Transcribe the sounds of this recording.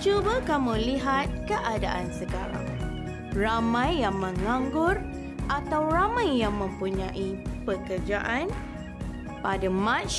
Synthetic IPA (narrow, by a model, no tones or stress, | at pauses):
t͡ʃubəkamũliɦat̪̚kəʔada̰ʔansəka̰ɾa̰ŋ | ramãjːaŋmə̃ŋãŋɡʊr | ʔat̪awramãjːaŋmə̃mpuɲãʔipəkərd͡ʒaʔan | padamãt͡ʃ